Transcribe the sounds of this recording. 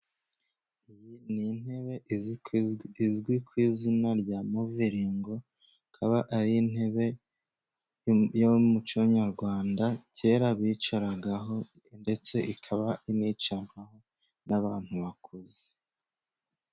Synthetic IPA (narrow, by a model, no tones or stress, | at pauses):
ijinin̥he̞βe̞ | izɡwikwiːzinaɾɟamuviɾiːŋɡo̞ | kʰaβaʔaɾin̥he̞βe̞ | jomut͡ʃoɲaɾɡwaːndace̞ɾaβit͡ʃaɾaɡaɦo̞ | nde̞t͡se̞ʔikʰaβaʔinit͡ʃanwaho̞ | naβaːn̥huβakʰoze